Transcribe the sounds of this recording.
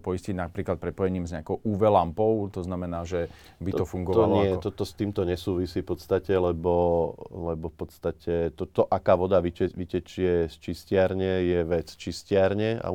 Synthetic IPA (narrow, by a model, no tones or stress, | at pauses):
pɔjisciɟnapɾiːklat̪̚pɾɛpɔjɛɲiːmzɲakɔʊʔuːʋɛlampɔʊt̪ɔznamɛnaːʒɛ | biɔfuŋɡɔʋɔaaɲɪɛt̪ɔt̪ɔst̪iːmt̪ɔɲɛsuːʋisiːfpɔt̪st̪acɛlɛbɔlɛbɔfpɔt̪st̪acʰɛt̪ɔt̪ɔʔakaːʋɔd̪aʋiʋicɛt͡ʃɪɛst͡ʃiscɪaɾɲɛjɛʋɛt͡st͡ʃiscɪaɾɲɛa̰